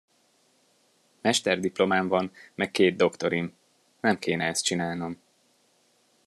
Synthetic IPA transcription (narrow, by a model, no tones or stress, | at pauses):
mɛʃt̪ɛrd̪iplo̞maːɱvɒnmɛkːeːd̪̚d̪o̞kt̪o̞ɾim | nɛmkeːnɛɛst̪t͡ʃinaːlno̞m